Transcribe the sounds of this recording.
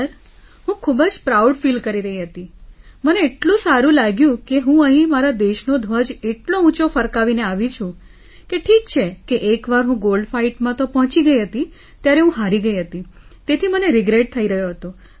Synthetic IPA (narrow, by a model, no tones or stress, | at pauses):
əɾ | ɦũkʰubəd͡ʒpɾawɖfilkəɾiɾəɦiɦət̪iməneːʈlũsaɾũlaɡjũkeɦũəɦĩmaɾad̪eʃnod̪ʱʋəd͡ʒeʈloũt͡ʃofəɾkaʋineaʋit͡ʃʰũ | keʈʰik̚t͡ʃʰekeʔekʋaɾɦũɡolɖfaiʈmãt̪opɔɦɔ̃t͡ʃiɡəiɦət̪i | t̪jaɾeɦũɦaɾiɡəiɦət̪it̪et̪ʰiməneɾɪɡɾeʈ̚t̪ʰəiɾəɦjoɦət̪o